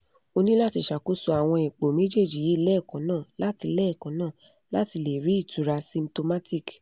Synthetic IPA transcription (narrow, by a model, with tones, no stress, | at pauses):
o˧nĩ˦la˦ti˧ʃa˨ku˦su˧a˨w̃ɔ̃˧e˨k͡po˨me˦d͡ʒe˦˨d͡ʒi˨ji˨˦˧lɛ˦˨kã˨˦nãː˦˨la˨˦ti˧lɛ˦ɛ˦˨kã˨˦nãː˦˨ | la˦ti˧le˨ɾi˦i˦˨tu˨˦ɾa˧sĩ˧m̩to˧ma˦ti˦˨k